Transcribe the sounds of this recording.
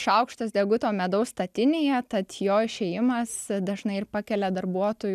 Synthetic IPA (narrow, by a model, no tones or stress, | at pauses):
ʃɐʊkʃt̪ɐsd̪ʲɛɡʊt̪oːmʲɛd̪ɐʊst̪ɐt̪ʲɪnʲeːjɛt̪ɐt̪joːɪʃʲeːjɪmɐsd̪ɐʒnɐɪɪrpɑkʲɛlʲɛd̪ɐrbuɔt̪oːj